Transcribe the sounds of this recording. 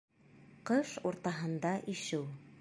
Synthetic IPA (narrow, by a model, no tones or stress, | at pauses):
qɤʃuɾt̪ɑɦɤ̆nd̪ɑʔiʃɘw